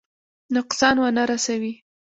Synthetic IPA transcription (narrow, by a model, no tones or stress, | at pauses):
nʊqsɑnwanaɾasawi